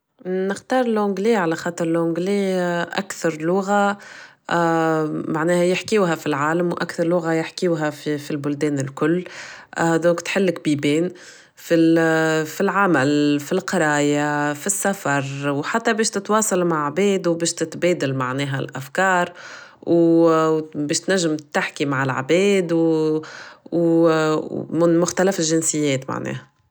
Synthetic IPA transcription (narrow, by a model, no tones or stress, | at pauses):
nɪxt̪ɑːɾˤɪlʕʊŋɡliːʕalæxɑːt̪ˤɨɾˤlʕʊŋɡliːʔæ̰kθɑɾˤlʊɣa | maʕnɛːhæjɪħkiwɦɛfilʕaːlæmwʔa̰kθɑɾˤlʊɣajɪħkiwɦæfifilbʊld̪ɛːnɪlkʊlː | d̪ɔ̃ːkt̪ħɪlːɪk̚biːbɛːn | fi | filʕamælfilqɑɾˤɑːjafisːafɑɾˤwħat̪ːæbɛːʃt̪ɪt̪wɑːsˤɑlmaʕʕbɛːd̪wbɛːʃt̪ɪt̪bɛːd̪almaʕnɛːɦælʔæfkɑːɾˤw | bɛːʃt̪næʒːɪmt̪ːaħkimaʕɪlʕa̰bɛːd̪w | nmʊxt̪ælæfɪlʒɪnsɪjːɛːt̪ma̰ʕnɛ̰ːhæ